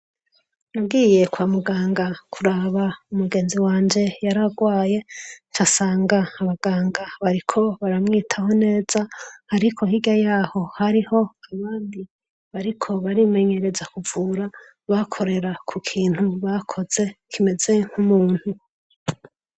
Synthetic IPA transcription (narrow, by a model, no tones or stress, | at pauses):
nab̚ɡiːje̞kwaːmuɡaːŋɡakʰuɾaβaumuɡe̞ːnziwaːɲd͡ʒe̞jaɾaɡwaːje̞t͡ʃasaːŋɡaːβaɡaːŋɡaβaɾikʰo̞βaɾamŋiːtʰaho̞ne̞ːz̥ahaɾikʰo̞hiɡjajaːho̞haɾiho̞aβaːndi | βaɾikʰo̞βaɾime̞ɲe̞ɾe̞zakuvuːɾa | βakʰo̞ɾe̞ɾakʰukʰiːn̥huβakʰo̞z̥e̞kʰime̞ze̞ŋ̥humuːnhu